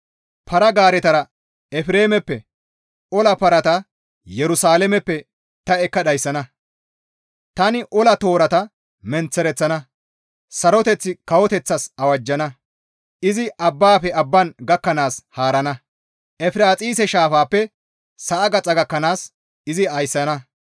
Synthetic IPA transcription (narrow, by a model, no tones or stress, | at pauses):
pʰɐɾɐɡaːɾɛt̪ɐɾɐ | ɛfɪɾe̞ːmɛpːɛ | ɔlɐpɐɾɐt̪ɐ | jɛɾʊsaːlɛmɛpːɛ | t̪ɐɛkːɐɗɐjsːɐnɐ | t̪ɐnɪʔɔlɐt̪o̞ːɾɐt̪ɐ | mɛnt͡sːɛɾɛt͡sːɐnɐ | sɐɾɔt̪ɛt͡sːɪkɐwɔt̪ɛt͡sːɐsɐwɐd͡ʒːɐnɐ | ɪzɪʔɐbːaːfɛɐbːɐnɡɐkːɐnaːshaːɾɐnɐ | ʔɛfɪɾaːt͡sʼiːsɛʃaːfaːpːɛ | sɐʔːɡɐt͡sʼɐɡɐkːɐnaːs | ɪzɪɐjsːɐnɐ